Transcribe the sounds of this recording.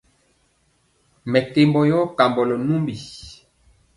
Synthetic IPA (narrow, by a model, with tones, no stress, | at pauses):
mɛ˨te˨mbɔ˨jɔ˦ka˨mbɔ˨lɔ˨nu˦mbi˨